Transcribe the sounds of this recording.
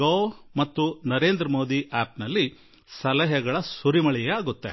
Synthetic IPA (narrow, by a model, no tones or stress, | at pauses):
oːmɐt̪ːunɐɾe̞ːnd̪ɾɐmoːd̪iʔaːpnɐlːi | sɐlɐɦɛɡɐɭɐsuɾimɐɭɛjɛaːɡut̪ːḛ